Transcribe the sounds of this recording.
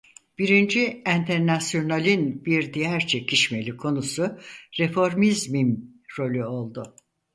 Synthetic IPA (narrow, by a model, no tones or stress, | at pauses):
b̥iɾind͡ʒiænt̪ʰɛɾnasjo̞nalʲinbiɾd̪ijæɾt͡ʃʰe̞cʰiʃme̞lʲikʰo̞nusʊɾefo̞ɾmizmimɾo̞lʲuo̞lˠd̪ʊ